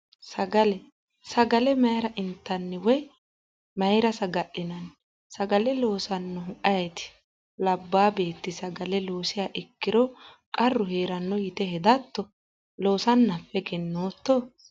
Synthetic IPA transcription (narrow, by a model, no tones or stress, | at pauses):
sɐɡɐlɛ | sɐɡɐlɛmɐjɾɐʔɪnt̪ːɐnːɛwɔj | mɐjɾɐsɐɡɐʔɪnɐn | sɐɡɐlɛlo̞ːsɐnːɔɦʊʔɐjɛt̪ɪ̥ | lɐbːaːbe̞ːt̪ːɪsɐɡɐlɛlo̞ːsɪjaːʔɪkːɪɾɔkʼɐrːʊheːɾɐnːɔjɪt̪ɛhɛd̪ɐt̪ːɔ | lo̞ːsɐnːɐfːɛɡɛnːoːt̪ːo